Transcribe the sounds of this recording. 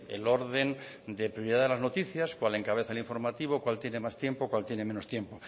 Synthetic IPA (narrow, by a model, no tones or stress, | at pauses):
ḛlo̞ɾðe̞n | d̪epɾjoɾiðaðelaznot̪iθjaskwale̞ŋkaβeθaeliɱfo̞ɾmat̪iβ̞okwalt̪je̞ne̞mast̪jempokwalt̪je̞neme̞no̞st̪je̞mpo̞